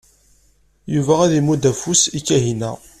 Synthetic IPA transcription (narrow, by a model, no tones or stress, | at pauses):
juvææðimud̪æfusikːæɦinæ̰